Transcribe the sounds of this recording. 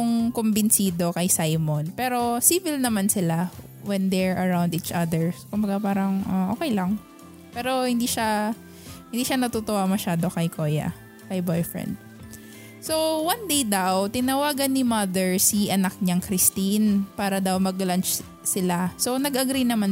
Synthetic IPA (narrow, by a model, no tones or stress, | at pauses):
ʊŋkombɪnsiːd̪o̞kɐjsajmonpɛːɾo̞siːvɪlnɐmansɪla | wɛnd̪ɛɹʔɐɹawnd̪iːt͡ʃʔɐd̪ɛɹskʊmbɐɡapaːɾɐŋʔaʔoːkɛjlɐŋ | pɛːɾo̞hɪnd̪iːʃa | hɪnd̪iːʃanɐt̪ut̪owamɐʃaːd̪o̞kɐjko̞ːjɐ̰ | kɐjbojfɹɛ̰nd̪̚ | so̞wɐnd̪ejd̪awt̪ɪnɐwaːɡɐnːɪmɐd̪ɛɹsiʔɐnak̚ɲɐŋkɾɪst̪inpaːɾɐd̪awmɐɡlɐnt͡ʃ | sɪlaso̞nɐɡɐɡɾinɐman